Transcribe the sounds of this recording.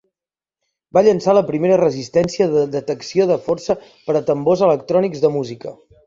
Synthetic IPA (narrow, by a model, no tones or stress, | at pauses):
baʎənsaləpɾimeɾərəzist̪ɛnsiəðəd̪ət̪əksioðəfɔrsə | pəɾət̪əmbozələkt̪ɾɔnikzðəmuzikə